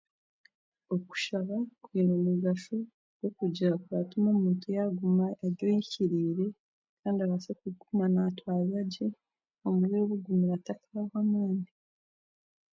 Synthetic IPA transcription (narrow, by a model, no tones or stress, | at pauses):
o̞ku̥ʃaβakwiːnomuɡaʃu | ɡ̥o̞kuɟiɾakujatumamuːntujaɡumaeɾɟojiciɾiːɾe̞ | kʰaːndiaβasekuɡumanatwajaɟe | omuβeːβuɡumiɾatakaawamaːndi